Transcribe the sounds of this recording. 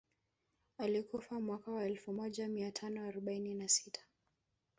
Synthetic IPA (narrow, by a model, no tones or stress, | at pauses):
alikufamwakawaɛlfumɔʄamiatʰanɔaɾɔɓaininasitʰḁ